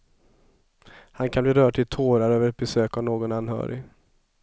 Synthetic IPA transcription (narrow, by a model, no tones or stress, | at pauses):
hankʰanbliːɾœːɖ̚ʈ̪ʰɪlt̪ʰoːɾaɾøːvəɾɛt̪̚bɛsøːkavnoːɡɔnanɦœ̰ːɾɪ̰